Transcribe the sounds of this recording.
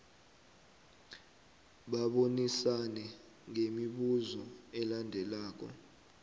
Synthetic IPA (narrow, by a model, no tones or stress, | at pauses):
ɓaɓonisanɛ | ŋemiɓuzɔɛlandʱɛlaːk̬ɔ̰